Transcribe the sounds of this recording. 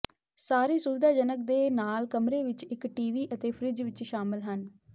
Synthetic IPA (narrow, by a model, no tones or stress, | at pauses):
saːɾeːsuːɾd̪aːd͡ʒənək̚d̪eːnaːlkəmɾeːʋɪt͡ʃɪkʈiːʋiːʔət̪eːpʰɾɪd͡ʒʋɪt͡ʃʃaːmɪlɦən